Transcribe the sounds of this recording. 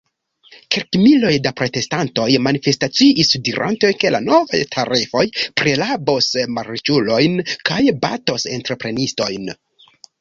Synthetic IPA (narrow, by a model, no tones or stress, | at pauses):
kelkmilo̞jdapɾo̞te̞stanto̞jmanife̞stat͡siʔisdiɾʔa̰ntejke̞la̰no̞va̰jtʰaɾifo̞jpɾe̞labo̞smaɾt͡ʃulo̞jnkajba̰to̞se̞ntɾe̞pɾe̞nisto̞jn